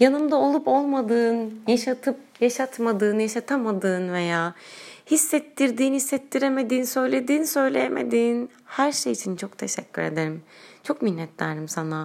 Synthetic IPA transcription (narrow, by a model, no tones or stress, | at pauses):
janɯmd̪ao̞lˠupo̞lˠmad̪ɯːnjaʃat̪ʰɯp̚jaʃat̪mad̪ɯːnjaʃat̪ʰamad̪ɯːnve̞jaːhisːɛt̪ʰːiɾd̪iːnhisːɛt̪ʰːiɾe̞me̞d̪iːnsø̞jlʲe̞d̪iːnisø̞jlʲḛjemʔe̞̰d̪iːn | hæɾʃejit͡ʃʰint͡ʃʰo̞kt̪ʰe̞ʃɛcʲːyɾe̞d̪e̞ɾimt͡ʃʰo̞kminːɛt̪lʲæ̰ɾd̪imsana